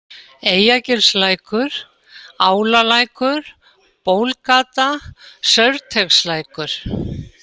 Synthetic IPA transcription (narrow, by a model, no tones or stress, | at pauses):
eːjacɪɾslaːjkʰʏɾ̥ | aːwlalaːjkʏɾ̥ | poːwlkaːt̪asœɥɾt̪ʰɛkslajkʏɾ̥